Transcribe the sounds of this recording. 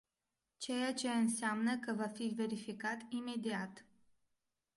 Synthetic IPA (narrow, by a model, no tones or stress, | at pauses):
t͡ʃe̞jat͡ʃe̞ɨnseamnəkəvafive̞ɾifikat̪ime̞d̪iat̪